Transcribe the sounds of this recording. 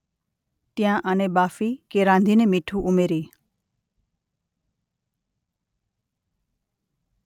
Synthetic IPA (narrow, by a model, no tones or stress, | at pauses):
t̪jãʔənebaːfikeɾãːnd̪ʱinemiʈʰuʔumeɾiː